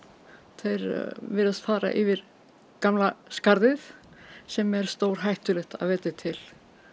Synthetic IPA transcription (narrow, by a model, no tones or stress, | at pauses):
θejɾvɪɾast̪faːɾa̰ʔɪvɪɾ | kamlaskaɾðɪθsɛmɛɾ̥st̪oːwɾ̥ɦajht̪ʏlɪht̪a̰ðvɛːt̪ɪt̪ʰɪl̥